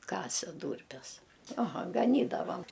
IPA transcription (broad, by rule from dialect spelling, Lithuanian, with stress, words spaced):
ˈkɑːsʲɛ ˈduːrʲpʲɛs ɐˈɣɐ ɡɐˈnʲiːdɐʋɐm